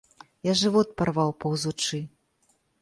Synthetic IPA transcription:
jaʐɨvɔt̪̚parvawpɐwzut͡ʂɨ

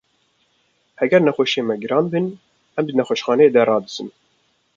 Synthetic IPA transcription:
hɛɡɛɾnɛxʷoʃeːmɛɡɨɾɑːnbɨn | ɛmd̪ɨnɛxʷɛʃxɑːnɛeːd̪ɛrɑːd̪ɨzɨn

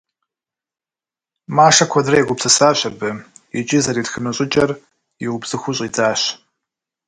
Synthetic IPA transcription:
maːʂɐkʷʰɐdrɐjɛɡʷʊpsɨsaːɕɐbɨɛt͡ʃʼɪzɐɾitxɨnɨɕʷʼɪt͡ʃʼɐr | jɛwʊbz̥ɨxʷʊɕʼid͡zʼaːɕ

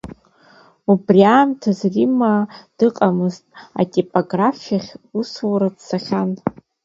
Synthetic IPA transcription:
ubriaːmtʰazrimad̥ɨqʼamɨztʼa̰tʼipʼoɡrafʲaχʲuswaɾadsaχʲan

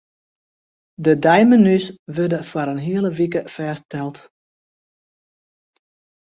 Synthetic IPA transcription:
dədajmənysʋødəfwaɾənɦiəlˠəʋikəfɛːstɛlˠt

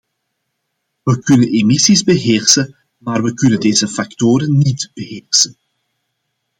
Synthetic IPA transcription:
ʋəkɵnənemisizbəɦeːrsə | maːrʋəkɵnəndeːzəfaktoːɾənːitb̥əɦeːrsən

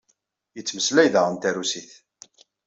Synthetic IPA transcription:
jət͡sːməslæjðæʁənt̪æɾusiθ

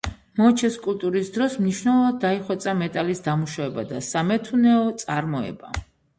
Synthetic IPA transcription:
mɔt͡ʃʰɛskʼult̪ʼuɾisd̪ɾɔsmniʃnɛlˠɔvad̪̚ːaiχwɛt̪sʼamɛt̪ʼalisd̪amuʃavɛbad̪asamɛt̪ʰunɛɔt̪sʼaɾmɔɛ̰ba

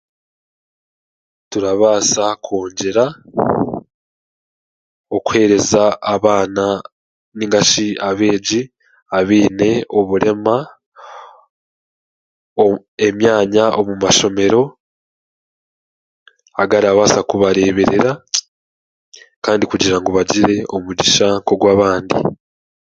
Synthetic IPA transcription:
tuɾaβaːsakʰoːɲɟe̞ɾa | o̞ku̥he̞ːɾe̞zaːβaːna | niŋɡaʃiaβe̞ːɟi | aβiːne̞o̞βuɾe̞ma | e̞mjaːɲao̞mumaʃo̞me̞ɾo̞ | aɡaɾiaβaːsakuβaɾe̞ːβe̞ɾe̞ɾa | kaːndikuɟiɾaŋɡoβaɟiɾe̞o̞muɟiʃaːŋko̞ɡwaːβaːndḭ

